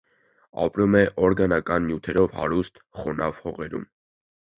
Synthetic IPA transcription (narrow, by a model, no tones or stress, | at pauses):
ɑ̰pɾumɛʔɔɾɡɑnɑkɑnːjut̪ʰɛɾɔvhɑ̰ɾust̪χɔnɑvhɔʁɛɾṵm